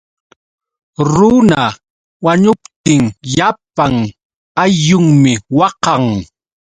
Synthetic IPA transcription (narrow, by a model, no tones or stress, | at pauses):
ɾʊna | waɲʊpt̪ɪŋʎapaŋ | ajʊŋmɪwɑqɑŋ